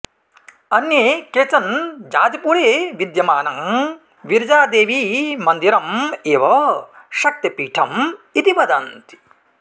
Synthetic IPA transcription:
ɐnjeːkeːt͡ʃɐnd͡ʒaːd̪ipuːɾeːʋid̪jɐmaːnɐm | ʋiɾd͡ʒaːd̪eːʋimɐnd̪iɾɐmeːʋɐ | ʃɐk̚t̪ɐpiːʈʰɐmit̪iʋɐd̪ɐnt̪i̥

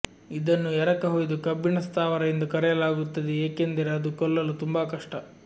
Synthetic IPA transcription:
id̪ɐnːuɛɾɐkɐɦoːjd̪ukɐbːinɐst̪ʰaːʋɐɾɐend̪ukɐɾɛjɐlaːɡut̪ːɐd̪eeːkend̪iɾɐɐd̪ukɔlːɐlut̪umbɐkɐʂʈɐ

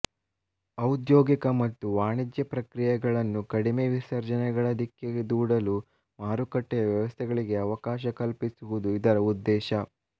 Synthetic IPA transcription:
ɐwd̪joːɡikɐmɐt̪ːuʋaːɳid̪jɐpɾɐkɾijɐɡɐɭɐnːukɐɽime̞ʋisɐɾd͡ʒɐnɛɡɐɭɐd̪ikːeɡed̪uːɽɐlu | maːɾukɐʈːɛjɐʋjɐʋɐst̪ʰɛɡɐɭiɡe̞ɐʋɐkaːʃɐkɐlpisuʋud̪uid̪ɐɾɐud̪ːɛːʃɐ

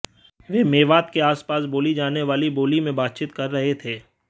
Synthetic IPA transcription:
ʋeːmeːʋaːt̪keaːspaːsboːlid͡ʒaːneʋaːliboːlimẽbaːt̪̚t͡ʃiːt̪kɐɾːɐɦet̪ʰeː

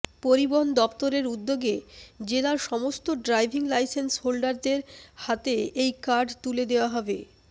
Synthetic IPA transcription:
poɾiboɦond̪ɔpt̪oɾeɾud̪ːoɡed͡ʑelaɾʃɔmost̪oɖɾajbʱiŋlajsensholɖaɾd̪eɾhat̪eejkaɾɖt̪uled̪eoaɦɔbe

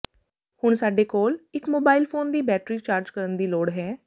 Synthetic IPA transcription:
hʊɳsaːɖeːkoːlɪkmoːbaːɪlpʰoːnd̪iːbɛːʈɾiːt͡ʃaːɾd͡ʒkəɾənd̪iːloːɽɦɛː

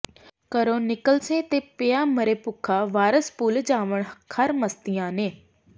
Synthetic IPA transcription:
kəɾõːnɪkəlsẽːt̪eːpejaːməɾeːpʊkʰaːʋaːɾəspuːld͡ʒaːʋəɳkʰəɾməst̪ijãːneː

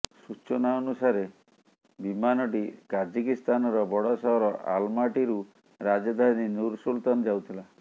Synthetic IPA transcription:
sut͡ʃɔnaɔnusaɾe | bimanɔʈikad͡ʒikist̪anɔɾɔbɔɽɔsɔɦɔɾɔʔa̰lmaʈiɾu | ɾad͡ʒɔd̪ʱaninuɾsult̪anɔd͡ʒawt̪ʰila

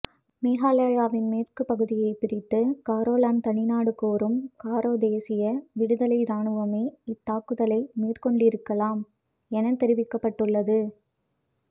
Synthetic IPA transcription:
meːɣaːlaːjaːʋɪnmeːrkɯpɐɣɯðɪjɐɪpɪɾɪt̪ːɯkaːɾoːlaːnt̪ɐɳɪnaːɽɯkoːɾɯmkaːɾoːd̪eːsɪjɐʋɪɽɯðɐlɐɪɾaːɳɯʋɐmeːɪt̪ːaːkːɯðɐlɐɪmiːrkɔɳɖɪɾɯkːɐlaːm | ɛnɐt̪ːɛɾɪʋɪkːɐpːɐʈːɯɭːɐðɯ

